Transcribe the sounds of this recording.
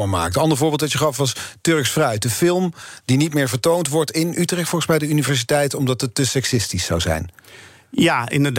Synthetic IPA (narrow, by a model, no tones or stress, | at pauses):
əma̰ːktəɑndəɹvʊːɹbɪlˠtʋɑtcjəχɑfʋɑstɵɹksfrœɥ̚dəfɪlˠmdinitmɪːɹvəɹtowntʋɔɹtɪnʔytrɛχtfɔlˠχəsmɛjdəynivɛɹs̬itɛjtɔmdɑtətːəsɛksɪstisːɑ̰wzɛ̰jn | jaɪ̰ndəd